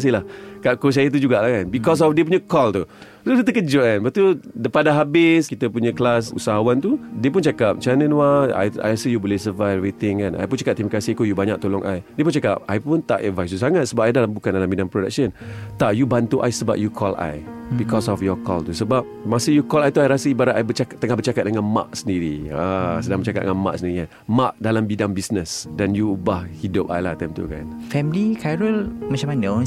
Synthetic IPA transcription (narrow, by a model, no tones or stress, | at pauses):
s̬ilahkaʔkos̬ajət̪̬ud͡ʒuɡaʔlahkanbikɔs̬ɔfdiəp̬uɲəkɔlt̪u | sot̪ut̪əkəd͡ʒʊkanbat̪udəpadaɦabɪskit̪əpuɲə̃klasṵsaɦawant̪udiəp̬unt͡ʃakap̚t͡ʃanə̃nwaa̰ja̰jasəjubɔlɪhsəvajɾit̪ɪŋkana̰jpʊnt͡ʃakap̚t̪imakasikojubaɲak̚t̪olɔŋʔa̰jdiəp̬unt͡ʃaka̰p̚ajpunt̪a̰ʔɛ̰dvajst̪us̬aŋat̪̚səbap̚ajdalambukandalambinaŋpɾoda̰k̚sənt̪aʔjubant̪uʔa̰jsəba̰p̚jukʰɔlʔa̰jbikɔsɔfjɔkɔ̰lt̪usəbap̚masəjukɔlajt̪uajɾasəibaɾaʔajbət͡ʃakt̪əŋahbət͡ʃakat̪̚dəŋãnma̰ʔ̚səndiɾiasədãŋbət͡ʃakat̪̚dəŋanma̰ʔ̚səndiɾikan | maʔ̚dalambidaŋbisnəsdanjuːbahhidʊp̚a̰jlat̪ɛmt̪ṵka̰nfɛmlikajɾəlmat͡ʃamanə